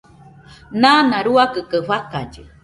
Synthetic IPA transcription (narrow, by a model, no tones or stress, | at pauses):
nãnãɾuakɨkɨɸakad͡ʒɨ̰